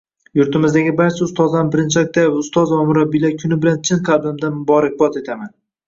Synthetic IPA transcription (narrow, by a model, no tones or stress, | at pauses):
jʊɾt̪ʰɪmɪzd̪aɡʲɪbaɾt͡ʃʰaʊst̪ɒzanbɪɾɪnt͡ʃʰak̚ʲt̪aʊst̪ɒzvamʊɾabːilakʲʰʊnɪbɪlant͡ʃʰɪnqʰɑblɪmd̪anmʊbɒɾak̚ʲbɒt̪e̞t̪ʰaman